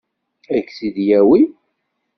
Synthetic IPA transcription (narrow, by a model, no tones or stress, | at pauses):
ækːsiðjæwi